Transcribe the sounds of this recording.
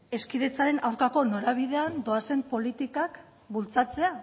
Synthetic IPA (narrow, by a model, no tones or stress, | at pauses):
e̞skiðet͡saɾe̞nʔawɾkako̞no̞ɾaβ̞iðe̞and̪o̞ase̞mpo̞lit̪ikak | bult͡sat͡se̞a